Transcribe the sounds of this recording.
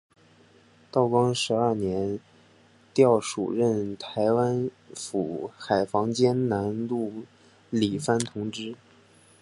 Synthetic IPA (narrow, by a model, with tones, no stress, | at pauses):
t̪ɑ˥˩ʊkwɑ˥ŋʂɻ̩˧˥ɐ˞˥˩njɛ˧˥n | t̪jɑ˥˩ʊʂṵ˨˩ɻə˥˩nt̪ʰa˧˥ɪwa˥n | fu˨˩xa˨˩ɪfɑ˧˥ŋt͡ɕjɛ˥nna˧˥nlu˥˩ | li˨˩fa˥˩nt̪ʰʊ˧˥ŋʈ͡ʂɻ̩˥